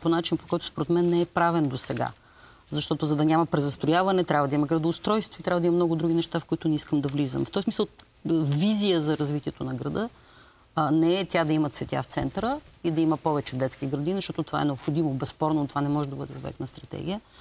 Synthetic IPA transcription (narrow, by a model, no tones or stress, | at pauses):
ponat͡ʃinpokɔjt̪ʊ̥spoɾɛt̪mɛnːɛɛpɾavɛnd̪osɛɡa̰ | zɐʃt̪ɔt̪ʊzɐd̪ɐnʲamɐpɾɛzɐst̪ojavɐnɛt̪ɾʲabvəd̪ɐimɐɡɾɐd̪oːst̪ɾɔjst̪vʊit̪ɾʲabvəd̪imɐmnɔɡʊd̪ɾuɡ̟inɛʃt̪afkoit̪ʊnɛiskəmd̪ɐvlizə̰mft̪ɔjsmisəlˠ | vizijəzɐɾɐzvit̪iɛt̪onɐɡɾɐd̪ɤ | nɛɛt̪ʲad̪ɐimɐt̪svɛt̪ʲa̰ft̪sɛ̰nt̪əɾəid̪ɐimɐpɔvɛt͡ʃɛd̪ɛt̪skiɡɾɐd̪izɐʃt̪ɔt̪ot̪ova̰ɛ̰nɛopxod̪imobɛspɔɾnot̪ovanɛmɔʒɛd̪ɐbɤd̪ɛo̰vɛ̰knɐst̪ɾɐt̪ɛ̰ɡʲijə